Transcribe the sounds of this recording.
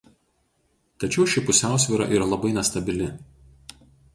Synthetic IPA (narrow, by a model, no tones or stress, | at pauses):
t̪ɐt͡ʃʲɛʊʃʲɪpʊsʲæˑʊsʲʋʲiːɾɑ̰ːʔiːɾɐlˠɐbɐɪnʲɛst̪ɐbʲɪlʲɪ